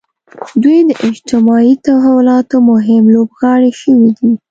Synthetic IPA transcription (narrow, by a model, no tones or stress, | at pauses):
d̪ujd̪əʔɪd͡ʒt̪ɪmɑit̪awɦawlɑt̪omʊɦɪmlobɣɑɽiʃəwid̪i